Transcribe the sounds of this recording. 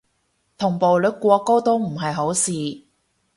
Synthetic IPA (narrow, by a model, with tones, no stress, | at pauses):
t̪ʰʊ˨˩ŋpo˨wlɵ˨˥kʷɔː˧ko˥wt̪o˥wm̩˨˩ɦɐ˨jɦo˨˥wsiː˨